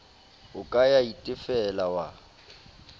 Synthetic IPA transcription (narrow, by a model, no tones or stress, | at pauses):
ʊkʼajaitʼɪfɛlawa